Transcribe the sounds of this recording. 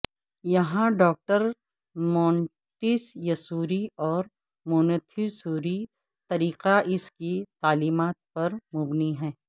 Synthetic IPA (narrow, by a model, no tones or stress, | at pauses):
jɐɦãɖɔːk̚ʈəɾ | mɔ̃ːɳ | ʈɪsjɐsuːɾiɔːɾ | mʊːnət̪ʰisuːɾi | t̪ɐɾiːqaʔɪskit̪aːliːmaːt̪̚pɐɾmʊbniɦɛ̃ː